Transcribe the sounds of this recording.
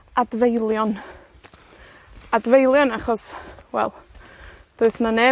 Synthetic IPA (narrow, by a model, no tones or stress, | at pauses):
advejlˠjɔn | advejlˠjɔnaχɔswɛ̰lˠ | d̥ʊɨsnanɛ